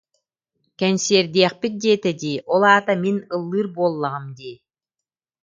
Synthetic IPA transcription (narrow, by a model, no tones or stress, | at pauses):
kɛnsiɛɾd̪iɛχpit̪̚d̪iɛt̪ɛd̪iːʔɔlˠaːt̪aminɯlˠːɯːɾbuɔlˠːaʁɯmd̪iː